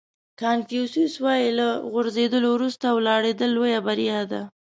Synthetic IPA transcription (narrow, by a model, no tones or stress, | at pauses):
kɑnfijususwɑjilaɣʊɾzed̪əlowɾust̪awlɑɽed̪əlːojabaɾijad̪a